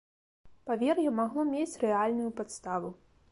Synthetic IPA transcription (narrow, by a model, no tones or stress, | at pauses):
pavʲɛrxjɔmaɣlˠɔmʲet͡sʲrɛalʲnujupat̪st̪avu